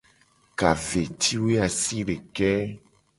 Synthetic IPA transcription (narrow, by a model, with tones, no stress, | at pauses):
ka˨ve˨t̪ʰi˦we˦a˨si˦ɖe˨kɛ˦